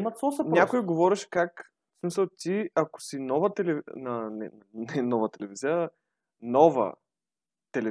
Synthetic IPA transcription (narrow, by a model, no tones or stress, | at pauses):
mɐt̪ɔsɛnʲakoiɡovɔɾɛʃɛ̥kak | smisɐlˠt̪iɐko̥sinɔvət̪ɛlɛvnɐnɛ̰nnɛnɔvɐt̪ɛlɛviziə | nɔvə̰ | t̪ɛlɛ